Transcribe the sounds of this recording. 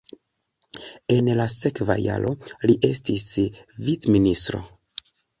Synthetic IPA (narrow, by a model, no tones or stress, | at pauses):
e̞nlase̞kva̰ja̰lʔo̞liʔe̞stisvit͡sministɾo̞̰